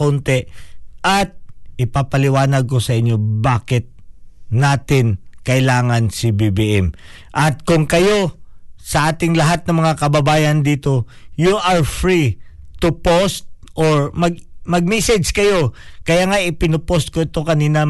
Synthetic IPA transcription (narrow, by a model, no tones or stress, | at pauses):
ont̪ɛʔɐt̪̚ʔɪpapɐlɪwaːnɐɡ̚ko̞sɐʔɪɲːo̞baːkɪt̪̚naːt̪ɪnkɐʔɪlaːŋɐnsɪbibiʔɛm | ʔɐt̪̚kʊŋkɐjo̞sɐʔaːt̪ɪŋlɐɦat̪̚nɐmɐŋakɐbɐbaːjɐnd̪iːt̪o̞juʔɐɹfɹi | t̪ʊpost̪̚ʔoɹmɐɡmɐɡ̚mɛsɛd͡ʒkɐjo̞kɐjaːŋaʔɪpɪnʊpost̪̚koɪt̪o̞kɐniːnɐ